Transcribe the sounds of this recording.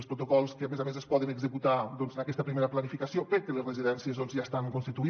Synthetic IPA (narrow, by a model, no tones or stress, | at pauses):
spɾut̪okɔlˠskəamezamezəspɔðənəɡzəkut̪ad̪ɔnzənakɛst̪əpɾimeɾəplənifikasiopeɾkələzrəziðɛnsiəzðonzʒast̪aŋkonst̪it̪ui